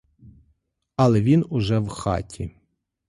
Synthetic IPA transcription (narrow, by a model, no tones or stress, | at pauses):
ɐlˠɛʋʲinʊʒɛwxɑ̰tʲʰi